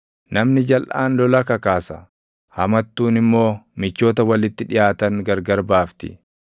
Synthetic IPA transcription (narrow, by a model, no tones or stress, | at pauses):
nɐmnɪd͡ʒɐlʔa̰ːnlɔlɐkɐkaːsɐ | hɐmɐt̪ːuːnɪmːo̞ːmɪt͡ʃːo̞ːt̪ɐwɐlɪt̪ːɪᶑɪjaːt̪ɐŋɡɐɾɡɐɾbaːft̪ɪ̰